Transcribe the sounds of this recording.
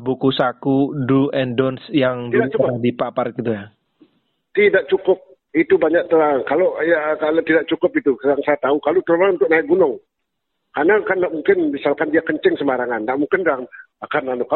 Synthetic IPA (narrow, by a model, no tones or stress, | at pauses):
bukusakuduɛndɔnsjaŋb̪idat͡ʃkdipaparkit̪̬uja | t̪idaʔ̚t͡ʃukʊp̚ | it̪ubaɲak̚t̪əlaŋkalojakalot̪idaʔ̚t͡ʃukʊpit̪ukadaŋsajat̪aukalot̪əlmaŋunt̪ʊk̚naɪk̚ɡunʊŋ | kanakanːaʔmuŋkɪnmisalkandiakəɲt͡ʃɪŋsəmaɾaŋanːaʔmuŋkɪndan | akananʊka